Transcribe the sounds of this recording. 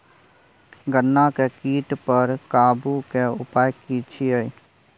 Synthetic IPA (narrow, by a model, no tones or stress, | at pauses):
ɡənːakekiːʈpəɾkaːbukeʊpaːjkit͡ʃʰie